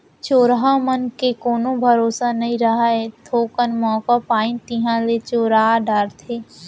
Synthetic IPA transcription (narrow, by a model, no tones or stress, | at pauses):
t͡ʃoːɾɦamənkekoːnõbʱəɾoːsanɐɦĩɾɐɦaɛt̪ʰoːkənmɔ̃ːkapaːĩnt̪ɪɦãlet͡ʃoːɾaːɖaːɾt̪ʰeː